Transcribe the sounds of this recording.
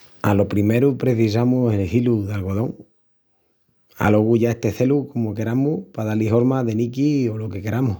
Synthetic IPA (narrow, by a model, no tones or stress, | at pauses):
a̰lo̞pɾime̞ɾupɾe̞θis̬amuse̞lhiluðalɣo̞ð̞o̞ŋ | a̰lo̞ɣuʝae̞st̪e̞θe̞luko̞moke̞ɾamupað̞aliɦo̞ɾmaðe̞nikio̞lo̞ke̞ke̞ɾamu